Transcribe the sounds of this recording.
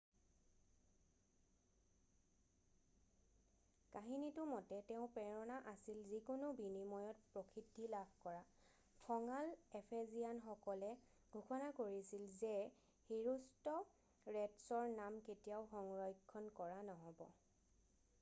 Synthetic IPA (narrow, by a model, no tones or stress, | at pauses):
kaɦinitʊmɔtɛtɛʊ̃pɛɹɔnaʔasilzikʊnʊbinimɔjɔt̚pɹokʰidʱːilabʱkɔɹa | kʰɔŋalepʰezijanxɔkɔlɛ | ɡ̥ʱukɔnakoɹisilzɛ | hiɹustɔ | ɹɛtsɔɹnamketijaʊxɔŋɹɔjkʰːɔnkɔɹanɔɦɔbɔ